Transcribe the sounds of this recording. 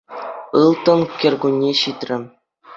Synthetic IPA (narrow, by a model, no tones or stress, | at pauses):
ɯlˠt̪ɤ̆nkʲĕrʲɡunʲːeɕit̪ʲrʲɘ̆